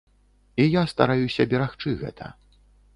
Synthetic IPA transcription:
ijast̪aɾajusʲɐbʲɛɾaxt͡ʂɨɣɛ̰t̪ʰɐ̰

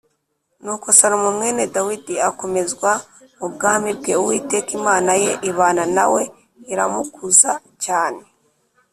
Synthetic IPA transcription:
nuːko̞saɾomumŋe̞ːne̞dawidiako̞me̞zɡwa | mub̚ɡaːmbibɡe̞uwiːte̞kimaːnaje̞ʔiβaːnana̰we̞ | iɾa̰mukuza | caːne̞

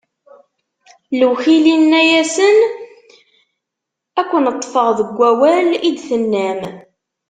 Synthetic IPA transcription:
ləwçilinːæjæsən | ækʷːənət̪ˤːfəʁðəɡʷːæwælid̪θənːæm

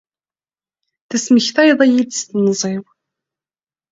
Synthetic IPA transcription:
θæsməçθæjðˤæjid̪st̪nzˤiw

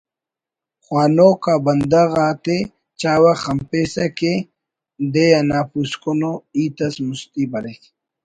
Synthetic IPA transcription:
xwaːnoːkabɐnd̪aɣaːt̪e | t͡ɕaːwaxɐmpesɐke | d̪ejanaːpuskonoiːt̪ɐsmust̪ibɐlek

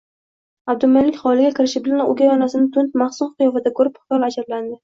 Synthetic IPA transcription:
ab̚d̪ʊmanlːɪkʲχɒlɪɡʲakʲʰɪɾɪʃɪbɪlanʊ̰ɡʲajɒnasɪnɪt̪ʰʊnt̪̚maχsʊnqʰɨjɒfad̪akʰoɾɪpʊ̥vavad͡ʒaɾland̪ɪ

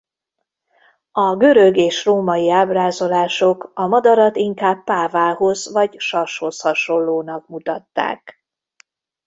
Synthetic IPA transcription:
ɒɡø̞ɾøɡeːʃroːmɒjiaːbraːzo̞laːʃo̞kɒmɒd̪ɒɾɒt̪iŋkaːbːaːvaːɦo̞zvɒɟʃɒʃho̞shɒʃo̞lːoːnɒk̚mut̪ɒt̪ːa̰ːk

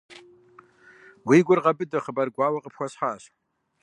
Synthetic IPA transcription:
wiɡʷʊrʁabʼɨdaχəbarɡʷaːwaqʼəpʰxʷaɕħaːʃ

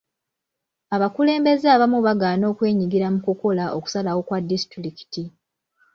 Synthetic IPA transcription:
aβakule̞ːmbe̞zeaβamuβaɡaːno̞ːkwe̞ːɲiɡiɾamukuko̞laʔo̞ku̥salawo̞kwadːisi̥tiɾiki̥ti

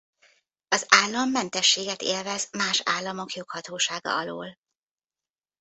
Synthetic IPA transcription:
ɒzaːlːɒmːɛnt̪ɛʃːeːɡɛt̪ḛːlvɛzmaːʃaːlːɒmo̞kjo̞khɒt̪oːʃaːɡɒ̰ɒlo̰ːl

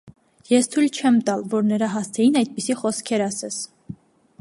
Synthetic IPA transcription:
jɛst̪ʰujlt͡ʃʰɛmt̪ɑlvɔɾnəɾɑɦɑst̪ʰɛjinɑjd̪̚pisiχɔskʰɛɾɑsɛs

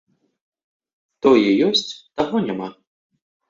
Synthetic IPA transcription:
t̪ɔjɛjɔsʲt͡sʲt̪aɣɔnʲama

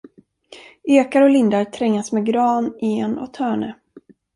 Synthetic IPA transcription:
eːkaɾɔlɪnd̪aɾt̪ʰɾɛŋːasmɛɡɾɑːneːnɔ̰t̪ʰhœːɳə

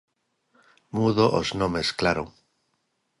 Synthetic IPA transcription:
muðoʔoznõmesklaɾoŋ

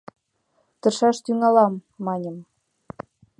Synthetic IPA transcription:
t̪ɤ̆ʃɑʃt̪yŋɑlɑmːɑnʲə̆m

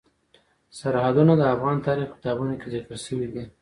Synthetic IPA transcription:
saɾhad̪unad̪əafɣɑnt̪ɑɾixpɪ̥t̪ɑbunokezɪkəlʃəwid̪i

